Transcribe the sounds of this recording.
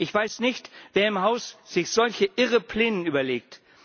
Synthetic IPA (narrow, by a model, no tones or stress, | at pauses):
ʔɪçv̥aɪsnɪçtv̥eːɐɪmhaʊsz̥ɪçz̥ɔlçəʔɪʁəpʰl̥eːnənʔyːbɐleːk̚t